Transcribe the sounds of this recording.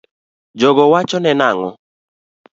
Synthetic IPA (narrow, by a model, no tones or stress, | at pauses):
d͡ʒɔɡɔwat͡ʃɔnɛnaŋɔ̰